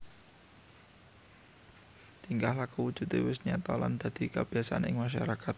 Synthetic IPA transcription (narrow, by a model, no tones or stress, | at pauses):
t̪iŋkahlahkəwud̥ʒ̥ṳt̪ewɪsɲat̪ɔla̰nd̪̥a̤d̪̥i̤kəb̥iasaanɪŋmaʃ̬aɾakat̪̚